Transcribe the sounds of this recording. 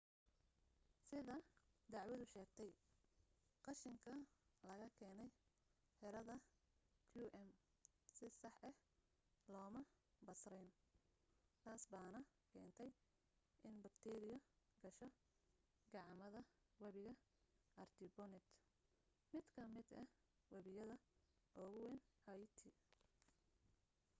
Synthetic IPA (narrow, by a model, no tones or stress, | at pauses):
sɪðɐd̪ɑʕwɐðʊʃɛːɡt̪ʰɛj | qɑʃɪŋkʰɐlɐɣɐkʰɛːnɛj | ħɪɾɐðɐ | kʰjuːʔɛm | sɪsɑħɛh | lɔːmɐbɐsrɛjn | t̪ʰaːsbaːnɐ | kʰɛ̰ːnt̪ʰɛj | ʔɪnbɐkt̪ʰɛːɾɪjɐɡɐʃɔ | ɡɑʕmɐðɐ | wɐβɪɣɐ | ʔɐrt̪ʰɪbɔnɪt̪ | mɪd̪kʰɐmɪd̪ɐ | wɐβɪjɐðɐ | ʔɔːɣʊwɛnhajt̪ʰi